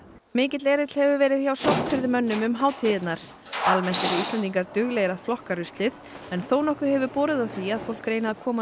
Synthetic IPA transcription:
mɪːcɪt̪leːɾɪt̪l̥hɛvʏvɛːɾɪðçawsɔht̪fɪɾðɪmœnːʏmʏmɦaːwt̪ʰɪðɪt̪naɾ̥ | almɛn̥t̪ɛɾɪist̪lɛnt̪iŋkaɾt̪ʏɣleːjɾaflɔhkaɾʏst̪lɪð | ɛnθoːwnɔhkʏhɦɛvʏɾpɔːɾɪðawθviaðfowl̥kɾejnɪakʰɔːma

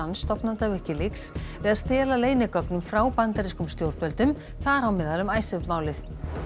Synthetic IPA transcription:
ansːt̪ɔpnant̪avɛhcɪlɪksvɪðaðst̪ɛːlaleːjnɪkɔpnʏmfɾaːwpant̪aɾiskʏmst̪jowɾt̪vɛlt̪ʏm | θaɾawmɛːðalʏmaːjsɛvmaːwlɪθ

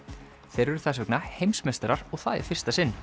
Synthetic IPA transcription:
θejɾɛɾʏ̥θɛsvɛknahejmsmɛst̪aɾaɾ̥ɔɣθaðɛ̰ɾ̥fɪr̥st̪asɪnː

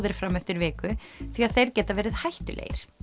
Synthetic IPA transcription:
ðɪɾ̥fɾamːɛft̪ɪɾvɪːkʏθiaðθejɾ̥cɛːt̪avɛːɾɪðhajht̪ʏlḛːjɪ̰ɾ̥

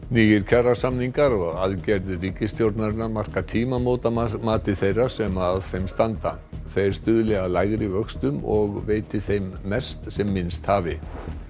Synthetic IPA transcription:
niːjɪɾ̥cʰarasamniŋkaɾɔɣɣaðcɛɾðɪriːcɪst̪jowɾt̪naɾɪnaɾmar̥kat̪ʰiːmamoːwt̪amaːt̪ɪθejrːḁsɛmaðθejmst̪ant̪a̰ | θejɾst̪ʏːðʏlɛɣalaːjɣɾivœkst̪ʏmɔɣveːjt̪ɪθejmːɛst̪sɛmːɪnst̪haːvɪ

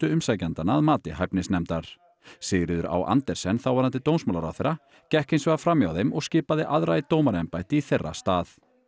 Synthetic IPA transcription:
t̪ʏʏmsaːjcant̪anːaːðmaːt̪ɪɦajpnɪsnɛmt̪aɾ̥ | sɪːɣɾɪðʏɾa̰wʔa̰nt̪ɛɾ̥sɛnːθawvaɾant̪ɪt̪ownsmaːlaɾa̰wθeɾa | cɛhkejnsvɛɣafɾamːjawθejmɔɣscɪːpaðɪʔaðɾait̪oːwmaɾɛmpajt̪ɪiθerːa̰st̪aːθ

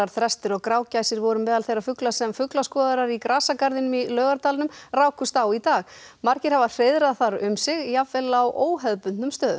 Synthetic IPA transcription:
aɾ̥θɾɛst̪ʏɾɔɣkɾaːwcajsɪɾvɔɾʏmɛːðalθejrːafʏklasɛmfʏklaskɔːðaɾaɾikɾaːsakaɾðɪnʏmilœːɣaɾt̪aːlɪnʏmraːwkʰʏst̪awit̪aːɣ | maɾcɪɾ̥havar̥eːjðɾaðθaɾʏmsɪɣjavɛlawʔoːwɦœðpʏʏmst̪œːðʏ

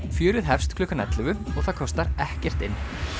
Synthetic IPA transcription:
fjʏːɾʏðɦɛfst̪kʰlʏːkanɛ̰t̪lʏvʏɔɣθaðkʰɔst̪aɾɛhcɛr̥t̪ɪnː

